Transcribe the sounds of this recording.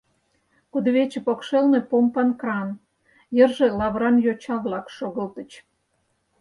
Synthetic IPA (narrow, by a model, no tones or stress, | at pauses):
kud̪βet͡ɕĕpokʃelnepompɑnkrɑn | jərʒe̽lɑβɾɑnjot͡ɕɑβlɑkʃoɣəlt̪ə̆t͡ɕ